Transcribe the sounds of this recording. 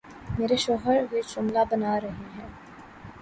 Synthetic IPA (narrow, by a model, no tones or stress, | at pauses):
meːɾeʃoːɦəɾʋeːʃʊmlaːbənaːɾɐɦiːɦɛː